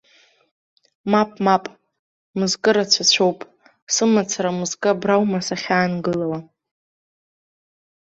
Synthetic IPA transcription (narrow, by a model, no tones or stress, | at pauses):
mapʼmapʼ | mɨzkʼɨɾat͡ɕʷʰat͡ɕʷʰowpʼ | sɨmat͡sʰaɾamɨzkʼɨbrawmasaχʲaːnɡɨlawa